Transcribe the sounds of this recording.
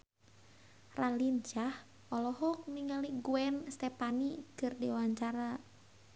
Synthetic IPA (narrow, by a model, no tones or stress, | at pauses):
ralind͡ʒah | ʔɔlɔɦɔk̚niŋaliɡuɛnst̪ɛpanikɨrdewaɲt͡ʃaɾa